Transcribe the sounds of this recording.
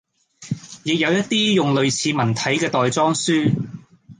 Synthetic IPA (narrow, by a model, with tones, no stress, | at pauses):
jɪ˨k̚jɐ˨˧wjɐ˥t̚t̪iː˥jʊ˨ŋlɵ˨˧ɥt͡sʰiː˨˧mɐ˨˩nt̪ʰɐ˨˥jkɛː˧t̪ɔː˨jt͡sɔː˥ŋsyː˥